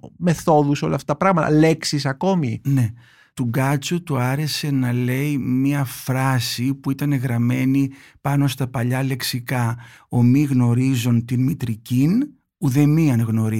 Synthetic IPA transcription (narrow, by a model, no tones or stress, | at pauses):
me̞θo̞ðuso̞lɐ̰ft̪ɐ̥t̪ɐpɾɐɣmɐt̪ɐ̰le̞ksisɐko̞mine̞ | t̪uɡɐt͡sut̪uɐɾe̞se̞nɐle̞imiɐfɾɐsipuit̪ɐne̞ɣɾɐme̞nipɐno̞st̪ɐpɐʎɐle̞ksikɐ | o̞miɣno̞ɾizunt̪inmit̪ɾicin | uðe̞miɐnɣno̞ɾi